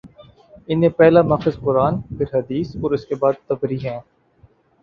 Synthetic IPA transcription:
ɪnẽːpɛɦlamɐːxɪzqʊɾaːnpʰɪɾɦɐd̪iːsɔːɾɪskebaːd̪̚t̪ɐbɾiːɦɛ̃ː

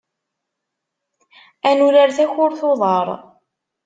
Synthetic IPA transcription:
ænuɾəɾθæçʊɾθoðˤɑɾˤ

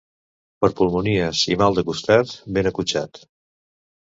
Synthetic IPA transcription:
pəɾpulˠmuniəsḭmalˠd̪əkust̪at̪benəkut͡ʃat̪

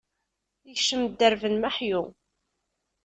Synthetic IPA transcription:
içʃəmd̪ːəɾvənmaħju

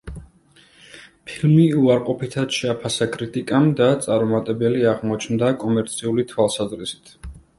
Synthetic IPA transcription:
pʰilmiuaɾqʼɔpʰit̪ʰad̪̥ʃɛapʰasakʼɾit̪ʼikʼamd̪at̪sʼaɾɔmat̪ʼɛbɛliaʁmɔt͡ʃʰnd̪akʼɔmɛɾt̪sʰiulit̪ʰwalˠsazɾisi̥t̪ʰ

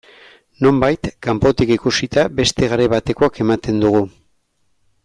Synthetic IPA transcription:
no̞mbajt̪kampo̞t̪ikikusit̪abe̞st̪e̞ɣaɾe̞βat̪e̞ko̞ake̞mat̪e̞nd̪uɣu

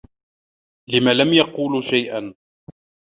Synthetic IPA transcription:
lɪmaːlamjɑquːlʃajʔan

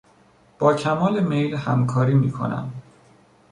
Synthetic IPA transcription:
b̥ɒːcʰæmɒːlemejlhæmkʰɒːɾiːmiːkʰo̞̰næ̰m

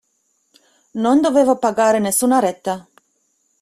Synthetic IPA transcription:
nond̪oveːvopaɡaːɾenesːuːnaɾɛt̪ːa

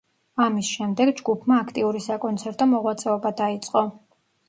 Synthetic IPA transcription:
amisʃɛmd̪ɛɡd͡ʒɡupʰmaːkʰt̪ʼiuɾisakʼɔnt̪sʰɛɾt̪ʼɔmɔʁwat̪sʼɛɔbad̪ait̪sʼqʼɔ

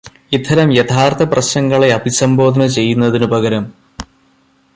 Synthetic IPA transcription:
it̪ʰːɐɾɐmjɐt̪ʰaːrt̪ʰɐprɐɕnɐŋːɐɭe̞ɐbʱisɐmbo̞ːd̪ʱɐnɐt͡ɕe̞jːunːɐðinubʱɐɡɐɾɐm

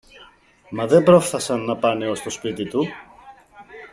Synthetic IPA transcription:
mɐðe̞mbɾo̞fθɐsɐnːɐpɐne̞o̞st̪o̞spit̪it̪u

